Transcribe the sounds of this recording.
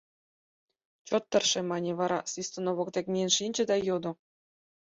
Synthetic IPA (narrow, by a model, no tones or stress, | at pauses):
t͡ɕot̪ːɤ̆rʃĕmɑnʲeβɑɾɑsʲist̪onoβokd̪ʲekʲmʲenʃinʲd͡ʑɘ̆d̪ɑjod̪ŏ